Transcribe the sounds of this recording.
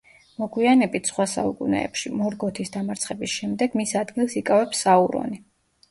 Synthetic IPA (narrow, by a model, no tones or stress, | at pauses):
mɔɡwianɛbit̪ʰsχwasa̰ṵkʼṵnɛ̰ːpʃimɔɾɡɔt̪ʰisd̪amaɾt̪sʰχɛbisʃɛmd̪ɛɡ̥misad̪ɡilˠsikʼavɛpsauɾɔ̰ni